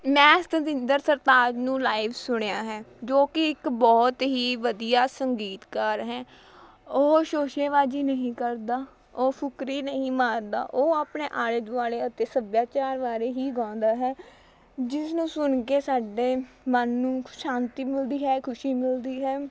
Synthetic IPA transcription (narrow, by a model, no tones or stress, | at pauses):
mɛ̃ːɪst̪əd̪ɪnd̪əɾsəɾt̪aːd͡ʒnũːlaːɪʋsʊɽejaːɦɛːd͡ʒoːkɪɪkbɔːt̪ɦiːʋəd̪ijaːsəŋɡiːt̪kəɾɦɛː | oːʃoːʃeːʋaːd͡ʒiːnəɦĩːkəɾd̪aː | oːpʰʊkɾiːnəɦĩːmaːɾd̪a̰ːʔoːaːpɳeːʔaːɽeːd̪ʊaːɽeːət̪eːsəbjaːt͡ʃaːɾʋaːɾeːɦiːɡãːn̆d̪aːɦɛː | d͡ʒɪsnũːsʊnkeːsaːɖeː | mənːũːʃãːnt̪iːmɪld̪iːɦɛːkʰʊʃiːmɪld̪iːɦɛː